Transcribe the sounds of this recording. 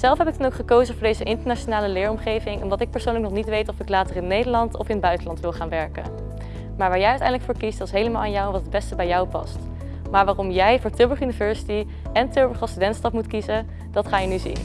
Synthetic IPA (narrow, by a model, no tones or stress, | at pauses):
z̥ɛlˠfɦɛpɪk̚dɑnowkχəkowzəvʊɹdejzəʔɪntəɹnaːt͡ʃonaːləlɪːɹɔmχejvɪŋʔɔmdɑtɪk̚pəɹsownlək̚nɔχnitʋejtɔfɪklaːtərɪnːejdəɹlɑntɔ̰fɪnbœɥtəlɑntʋɪlˠχaːnʋɛɹkə̰ | maːɹʋaːɹjɛjœɥtɛ̰jndələkfʊːɹkisd̥ɑtɪ̥sɦejləmaːlˠanjɔwʋɑtəd̚bɛstəbɛjɔwpɑ̰st | maːɹʋaːrɔmjɛjvʊːɹtʏbəχjynivɛɹsi̥ti | ɛntøɹbəɹχɑstydɛntstɑpmutkizə | d̥ɑtχaːjənyzḭn